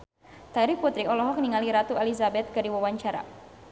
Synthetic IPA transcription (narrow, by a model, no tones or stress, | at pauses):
t̪aɾiput̪ɾiɔlɔɦɔk̚niŋaliɾat̪uelizabɛt̪̚kadiwawaɲt͡ʃaɾa̰